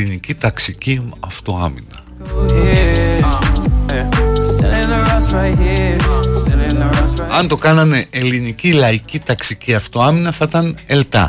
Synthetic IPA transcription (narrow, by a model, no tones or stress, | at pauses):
inicit̪ɐksiciɐft̪o̞ɐ̰minɐ | ɐnt̪o̞kɐnɐne̞ʔelinicilɐicit̪ɐksiciɐft̪o̞ɐminɐθɐt̪ɐne̞lt̪ɐ̰